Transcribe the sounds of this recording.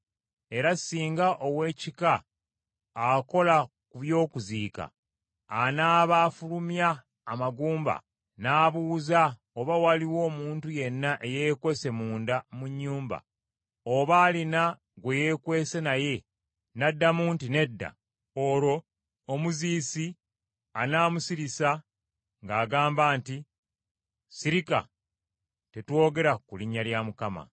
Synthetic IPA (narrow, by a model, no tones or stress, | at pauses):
e̞ɾasiːŋɡaʔo̞we̞ːcikaː | ko̞la | kuβjo̞ːkuziːka̰ː | naːβaːfulumjaː | maɡuːmba̰ | naːβuːza | oβawaliwo̞ːmuːntuje̞nːaʔejeːkwe̞se̞muːndamuɲːuːmba̰ | oβaːlina | ɡwe̞jekwe̞ːse̞naje̞ | nadːamuːntine̞dːa̰ | oɾo̞ː | muziːsi | anaːmusiɾisa | ŋɡaːɡaːmbaːnti | siɾika̰ | te̞two̞ːɡe̞ɾakuliɲːaljamukama̰